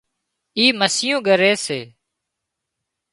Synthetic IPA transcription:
iːməsɪjõːɡəɾeːseː

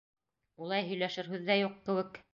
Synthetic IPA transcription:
ulˠɑjɦɵ̆jlæʃɘɾɦʉðːæjuqkɘ̆wɘk

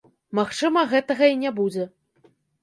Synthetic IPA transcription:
maxt͡ʂɨmɐɣɛt̪ɐɣɐinʲabud͡zʲɛ

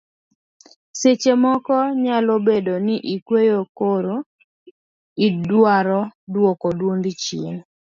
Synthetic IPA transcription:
set͡ʃemɔkɔɲalobedonɪʔikwejokoɾo | idwaɾɔdwokodwond̪ɪt͡ʃɪ̰n

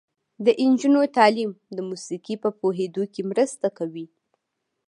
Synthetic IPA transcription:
d̪əʔɪnd͡ʒunot̪ɑlimd̪əmusikipəpoɦed̪okemɾəst̪akawi

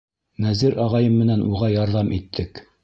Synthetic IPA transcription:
næzɘɾɑʁɑjɤmːɘ̆nænʔuʁɑjɑɾðɑmʔit̪ʰːɘk

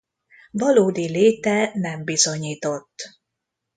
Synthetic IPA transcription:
vɒloːd̪ileːt̪ɛnɛmbizo̞ɲiːt̪o̞t̪ː

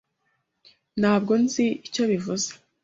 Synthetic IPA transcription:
n̥haːb̚ɡo̞nziico̞βivuzḁ

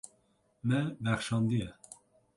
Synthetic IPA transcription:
mɛbɛxʃɑːnd̪ijɛ

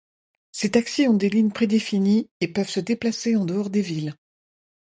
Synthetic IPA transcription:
set̪aksiɔ̃d̪eliɲpχed̪efiniepœvsəd̪eplaseɑ̃d̪əɔʁd̪evil

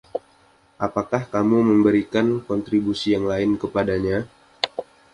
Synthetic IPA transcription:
ʔapakahkamuməmbəɾikankɔnt̪ɾibusijaŋlaɪnkəpadaɲa

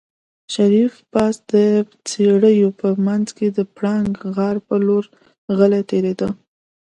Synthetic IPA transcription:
ʃaɾifpɑsd̪ə | t͡seɽəjopəmanzked̪əpɽaŋɡɣɑɾpəloɾ | ɣəlat̪eɾed̪ə

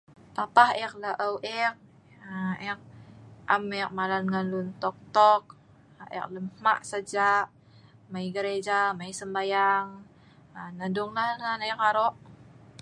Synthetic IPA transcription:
papahɛk̚ləʔəwʔɛk̚ | ɛk̚ʔamɛk̚malanŋanlunt̪ɔk̚t̪ɔk̚ | ʔɛ̰k̚ləmma̰ʔsəd͡ʒaʔ | maiɡəɾed͡ʒamaisəmbajaŋ | nadʊŋlahlahnaɛkaɾɔʔ

